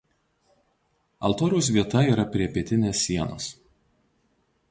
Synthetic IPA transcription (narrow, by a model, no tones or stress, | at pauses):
ɐ̰lˠt̪oːɾʲɛʊs̬ʋʲiɛt̪ɐiːɾɐpʲɾʲiɛpʲiɛt̪ʲɪnʲeːsʲːiɛno̰ːs